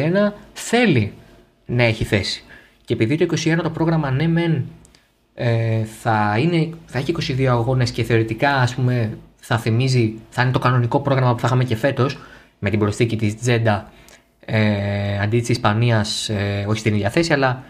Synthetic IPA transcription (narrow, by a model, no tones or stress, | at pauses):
enɐθe̞li | nɐe̞çiθe̞si̥ | cepiðit̪oiko̞sie̞nɐt̪o̞pɾo̞ɣɾɐmɐne̞men | eθɐine̞θɐe̞çiko̞siðio̞ɐɣo̞ne̞sce̞θe̞o̞ɾit̪ikɐːspume̞θɐθimiziθɐine̞t̪o̞kɐno̞niko̞pɾo̞ɣɾɐmɐpu̥θɐxɐmece̞fe̞t̪o̞s | me̞t̪ibɾo̞sθicit̪izd͡ze̞d̪ɐ | eɐnd̪it̪isispɐniɐseo̞çi̥st̪iniðɐθe̞siɐlɐ